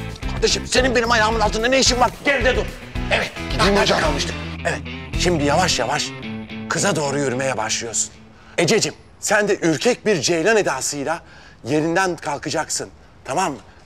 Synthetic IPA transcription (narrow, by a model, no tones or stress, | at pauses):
kʰaɾd̪eʃɯmse̞ninbenimajaːmɯnalˠt̪ʰɯnd̪anejiʃimvaɾt̪ɟeɾʲd̪ɛd̪uɾ | evɛt̪̚id͡ʒakalˠmɯʃt̪ʰɯmevɛt̪̚ʃimd̪ijavaʃjavaʃkʰɯzad̪o̞ːɾujø̞ɾyme̞jɛbaʃlˠɯjo̞su̥n | ed͡ʒe̞d͡ʒim | sænd̪ɛʔyɾcʰɛc̚biɾd͡ʒejlʲane̞d̪aːsɯjlˠa | je̞ɾind̪ænkʰalˠkʰɯd͡ʒaksɯn | t̪ʰamamːɯ